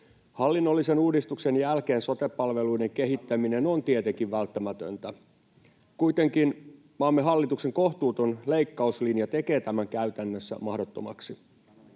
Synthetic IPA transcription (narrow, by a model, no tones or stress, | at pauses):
hɑlːinːolːise̞nuːdist̪ukse̞njælke̞ːnso̞t̪epːɑlʋe̞luide̞ŋke̞ɦit̪ːæmine̞no̞nt̪iet̪eŋkiʋʋælt̪ːæmæt̪ø̰nt̪æ | kuit̪e̞ŋkin | mɑːmːeɦɑlːit̪ukse̞ŋko̞ht̪uːt̪onle̞ijkːɑuslinjɑt̪e̞ke̞ːt̪æmæŋkæyt̪ænːøsːæ̰mɑhdot̪ːo̰mɑ̰ksi